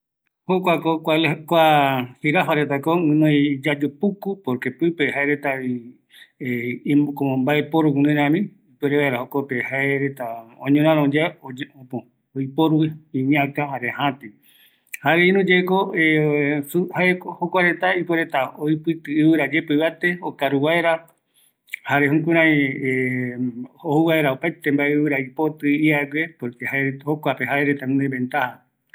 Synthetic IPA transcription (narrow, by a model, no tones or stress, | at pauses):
hokʷakokʷakʷafiɾafaɾet̪̬akoɨ̃nõid͡ʒad͡ʒopukupoɾkepɨpehaeɾet̪ai | ekoõmbaepoɾukũnĩɾãmĩ | ipeɾeβaeɾahokopehaeɾet̪aõɲõɾ̃ãɾõd͡ʒaod͡ʒ̃põ | oipoɾuwiĩɲãkaɦaɾehãt̪i | haɾeĩnũd͡ʒeekouhaehokʷaɾe̞t̪aipoɾet̪aojpɨt̪ɨːβɨɾad͡ʒepɨβat̪eokaɾuwaeɾa | haɾeɦũkũɾ̃ãĩ | ohuwaeɾaopajt̪e̞mbaeɨβɨɾaipo̞t̪ɨiaɡʷepoɾkehaehokʷapeɦaeɾet̪aũnebẽnt̪aha